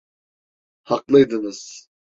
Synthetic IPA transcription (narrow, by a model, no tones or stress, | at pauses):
hɑqlˠɯjd̪ɯnɯz̥